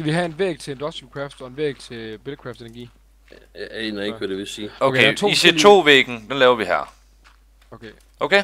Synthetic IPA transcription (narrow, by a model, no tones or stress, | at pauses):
ɡ̥æʋiɦæenʋḛːɡ̥̚t͡sʰe̝end̥ɒsd̥ukʰʁɑfd̥ɒ̽e̝nʋḛːɡ̥̚t͡sʰe̝lb̥elkʰʁɑːfd̥enɐɡ̥ḭː | enɐeɡ̥ʋæd̥e̝ʋesiːokʰeise̝t͡sʰo̝̰ːʋeːɡ̥n̩d̥enlɛːʊɐʋiɦæɐ̰ | ʔokʰe